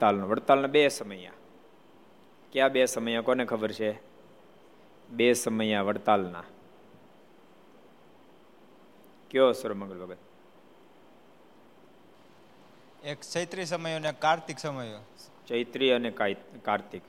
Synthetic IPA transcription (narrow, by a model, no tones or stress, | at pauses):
t̪alnoʋəɽt̪alnãbesəməjã̰ | kjãbesəməjokonekʰəbəɾt͡ʃʰe | besəməjãʋəɽt̪alna̰ | kjosəɾəməɡəɭbəɡət̪̚ | ekt͡ʃəjt̪ɾis̬əməjonekːaɾt̪iksəməjot͡ʃəjt̪ɾiənekjkaɾt̪ik